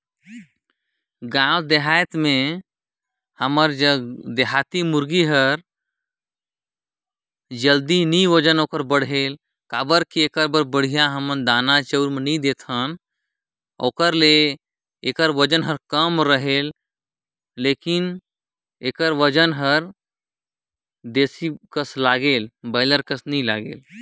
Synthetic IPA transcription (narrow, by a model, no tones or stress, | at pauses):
ɡãwd̪eɦajt̪mẽ | həməɾd͡ʒəd̪eɦaːt̪imuɾɡiɦəɾ | d͡ʒəld̪iniʋəd͡ʒənoːkəɾbəɽ̤el | kaːbəɾkieːkəɾbəɾbəɽ̤ijaɦəmənd̪aːnat͡ʃəwɾmenĩd̪eːt̪ʰən | o̰ːkəɾle | eːkəɾʋəd͡ʒənɦəɾkəmɾəɦeːlː | eːkin | ekəɾʋəd͡ʒənɦəɾ | d̪esikəslaːɡeːlbəɪləɾkəsnila̰ɡḛːl